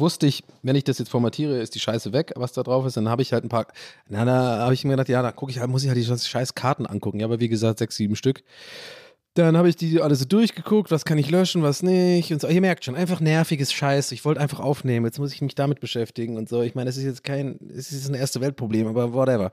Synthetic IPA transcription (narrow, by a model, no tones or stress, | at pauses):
vʊstəɪçvɛnɪçd̥asjɛt͡stfɔɐmatʰiːʁ̞əɪstd̥iːʃaɪsəvɛkvasd̥aːdʁaʊfɪstd̥anhaːbəɪçhaltn̩pʰaːɐnadahaːbəɪçʔɪmɡədaχtjaːdakʰʊkɪçhaltmʊs̬ɪçhaltd̥iːzɔnsʃaɪskʰaɐtn̩ʔa̰nkʰʊkŋ̩jaːbɐviːɡəzaːk̚tz̥ɛksz̥iːbm̩ʃtʏk | d̥anhaːbəɪçd̥iːʔaləzoːdʊɐçɡ̥əkʰʊk̚tv̥askʰanɪçlœʃn̩vasnɪçʊntzoiːɐmɛɐk̚tʃoːnʔaɪnfaχnɛɐfɪɡəsʃaɪsɪçv̥ɔltəʔaɪnfaχʔaʊfneːmənjɛt͡stmʊs̬ɪçmɪçd̥amɪt̚b̥əʃɛftɪɡŋ̩ʊntz̥oːɪçmaɪnəɛs̬ɪstjɛt͡skʰaɪnɛ̰sɪsjɛt͡snʔeːɐstəvɛlt̚pʁ̥obleːmʔaːbɐvwɔtɛvɐ